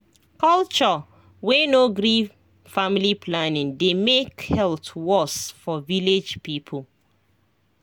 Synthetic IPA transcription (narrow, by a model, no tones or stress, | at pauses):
kɔlt͡ʃɔ | wenoɡɾi | familiplanĩndemekhɛltwɔsfɔviled͡ʒpipʰol